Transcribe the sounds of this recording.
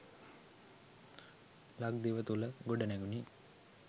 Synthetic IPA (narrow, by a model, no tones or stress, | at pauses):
laɡ̚d̪iʋət̪uləɡoɖənɛɡuni